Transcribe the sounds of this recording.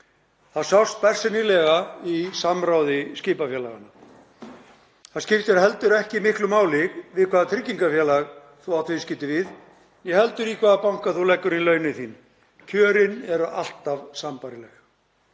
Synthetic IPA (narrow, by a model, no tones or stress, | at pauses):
θaðsawst̪̚pɛr̥sɪnɪlɛɣaisamɾawðɪscɪːpafjɛːla̰ɣa̰nːa | θaðscɪft̪ʏɾɦɛlt̪ʏɾɛhcɪimɪhklʏmaːwlɪɣvɪðkʰvaːðat̪ʰɾɪcːiŋkafjɛːlaɣ | θuawt̪vɪscɪːt̪ɪvɪð | jɛhɛlt̪ʏɾikʰvaːðapawŋ̥kaθulɛkːʏɾnilœːɥnɪθiːn | cʰœːɾɪnɛɾa̰l̥t̪avsampaɾɪlɛɣ